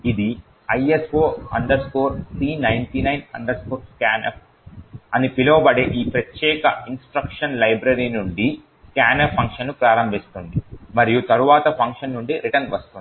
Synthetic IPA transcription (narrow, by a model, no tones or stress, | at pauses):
id̪i | ɐjespoːɐɳɖɐɾskoːɾsɾiːnɐjnʈinɐjnɐ̰ɳɖɐɾskoɾkaːnʔep̚ʰ | ɐnipiloːbɐɽeʔiːpɾɐt̪jɛːkɐinsʈɾɐkʂɐnlɐjbɾɐɾiːnuɳɖi | kaːnepʰɐŋkʂɐnːupɾaːɾɐmbʱist̪und̪imɐɾijut̪ɐɾuʋaːt̪ɐpʰɐŋkʂɐnːuɳɖiɾiʈɐnʋɐst̪und̪i